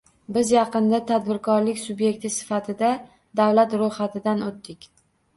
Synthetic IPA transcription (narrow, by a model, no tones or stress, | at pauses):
bɪzjɑqɨnd̪at̪ʰad̪bɪɾkʰɒɾlɪkʲsʊbje̞k̚ʲt̪ʰɪsɪ̥fat̪ʰɪd̪a | d̪awlat̪ɾojχat̪ʰɪd̪anot̪ːɪkʲ